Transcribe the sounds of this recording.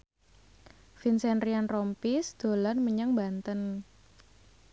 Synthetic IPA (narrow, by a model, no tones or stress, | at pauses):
finsɛnrianrɔmpisd̪̥o̤lanməɲaŋbant̪ən